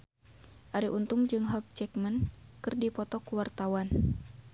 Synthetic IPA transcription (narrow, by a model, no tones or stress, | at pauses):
ʔaɾiʔunt̪ʊŋd͡ʒɨŋɦɔk̚t͡ʃɛkmənkɨrdipɔt̪ɔkuwart̪awan